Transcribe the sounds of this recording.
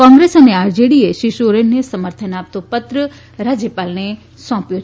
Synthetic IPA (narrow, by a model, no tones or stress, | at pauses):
kɔ̃ːŋɡɾeːsɐneaːɾd͡ʒeɽieʃiʃoɾenːəsɐməɾt̪ʰənaːp̚t̪opɐt̪ɾə | ɾaːd͡ʑjepaːlne | sɔ̃ːpjo